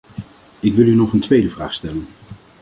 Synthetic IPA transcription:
ɪkʋɪlˠynɔχəntʋejdəvraːχstɛlən

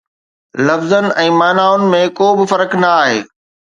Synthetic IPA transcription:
lɐfzənɪ̆ɛ̃ːmaːnaːʊnɪ̆mẽkoːbɪfɐɾəknɐaːɦeː

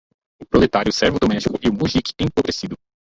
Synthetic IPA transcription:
ʊpɾolet̪aɾjʊsɛɾvɪʊd̪omɛʃt͡ʃikʊiumuʒikɪ̥ẽpoɡɾesid̪ʊ

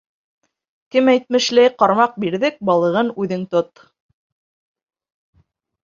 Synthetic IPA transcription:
kɘmæjt̪̚mɘ̆ʃlæjqɑɾmɑq̚biɾðɘk̚bɑlˠɤ̆ʁɤnʉðɘŋt̪ot̪

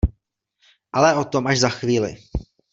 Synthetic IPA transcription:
ʔalɛʔo̞t̪omaʒzaxviːlɪ̰

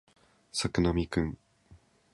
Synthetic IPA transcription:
sakɯnamʲikɯ̃ŋ

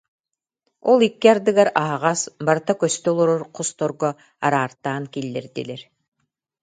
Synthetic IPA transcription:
ɔlˠikːiaɾd̪ɯɡaɾaɦaʁasbaɾt̪akœst̪œɔlˠɔɾɔɾqʰɔst̪ɔɾɡɔ | a̰ɾaːɾt̪aːnkilːɛɾd̪ḭlɛɾ

